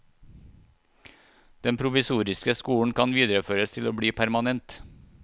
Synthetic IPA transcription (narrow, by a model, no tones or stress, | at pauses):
d̪̥ɛmpʰɾʊʋɪsuːɾɪskəskuːɳ̩kʰɑnʋiːd̪ɾəføːɾəst̪ʰɪloːbɽiːpʰæɾmɑnɛnt̪